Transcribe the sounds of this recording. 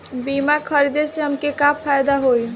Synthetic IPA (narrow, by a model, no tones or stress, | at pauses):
biːmakʰəɾid̪eseɦəmkekapʰːaːjd̪aɦoi